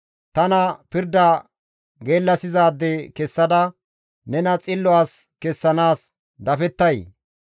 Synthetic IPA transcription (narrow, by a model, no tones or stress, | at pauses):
t̪ɐnɐpɪɾd̪ɐ | ɡe̞ːlːɐsɪzaːd̪ːekɛsːɐd̪ɐ | nɛnɐt͡sʼɪlːɔaːs | kɛsːɐnaːs | d̪ɐfɛt̪ːɐj